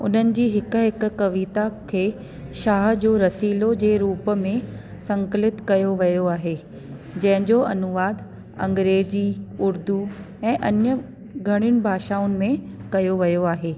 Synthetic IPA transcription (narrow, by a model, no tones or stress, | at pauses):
ʊ̰n̤ənɪ̆d͡ʑiːɦɪk̆ɦɪkʊ̆kɐʋiːt̪akʰeː | ʃaːɦd͡ʑoːɾɐsiːlod͡ʑeːɾuːpə̆mẽsɐ̃ŋklɪt̪kɐjoʋɐjoaːɦeː | d͡ʑɐ̃ɦɪ̃ɲd͡ʑoʔɐnʊʋaːd̪ | ɐ̰̃ŋɡɾeːd͡ʑiʊɾd̪u | ɛ̃ːʔɐnjə | ɡʱɐɽ̃ɪñɪ̆bʱaːʃaːʊnɪ̆mẽkɐjoʋɐjoaːɦeː